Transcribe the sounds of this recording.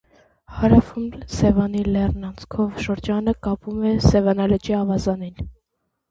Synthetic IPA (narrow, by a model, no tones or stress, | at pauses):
hɑɾɑfumlsɛvɑnilɛrnɑnt͡sʰkʰɔvʃəɾd͡ʒɑnəkɑpumɛsɛvɑnɑlət͡ʃiɑvɑzɑnin